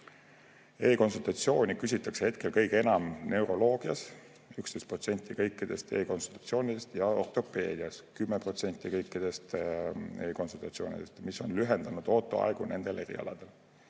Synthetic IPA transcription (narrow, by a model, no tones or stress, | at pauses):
e̞ːko̞nsult̪ɑt̪sio̞ːnʲikys̬ʲit̪ːˑɑksehe̞t̪̚ke̞lkɤjɡeenɑmne̞wɾo̞lo̞ːɡ̥iɑs | ykst̪e̞jst̪̚pro̞t̪se̞nʲt̪ːˑikɤjkːˑid̪̥e̞st̪e̞ːko̞nsult̪ːɑ̥t̪sio̞ːnʲid̪e̞st̪jɑo̞rt̪ˑo̞pe̞ːd̪̥iɑskymːepro̞t̪se̞nʲt̪ʲːˑikɤjkˑːid̪̥e̞st̪eːko̞nsult̪ɑt̪sio̞ːnʲḭd̪e̞st̪miso̞nlyɦend̪̥ɑnud̪̥o̞ːt̪ːˑo̞̰ɑ̰eɡ̥une̞nd̪̥e̞lʔe̞ɾḭɑ̰lɑ̰d̪̥e̞l